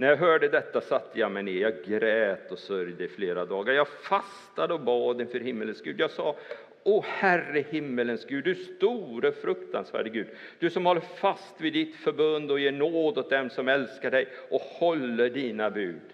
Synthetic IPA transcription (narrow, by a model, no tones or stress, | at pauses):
næɾjɑɦœːɖəd̪ɛt̪ːasat̪ʰːəjamɛneːjɑɡɾɛːt̪ɔsœɾjd̪ɛɪfleːɾad̪ɑːɡaɾjɑːɡfas | t̪ad̪əɔbɑːd̪ɪnfœɾhɪmːələnsɡʉ̟ːd̪jɑːɡsɑː | ɔhærəhɪmːələnsɡʉ̟ːd̪ːɵæʂst̪uːɾəfɾɵkt̪a̰nsvæ̰ːɖəɡʉ̟ːd̪ | d̪̥ɵsɔmhɔlːəfast̪vɪd̪ɪt̪fœɾbɵnd̪ɔjeːɳoːd̪ɔt̪̚d̪ɛmsɔmɛlskaɖɛjʔɔhɔlːəɖiːnabʉːd̪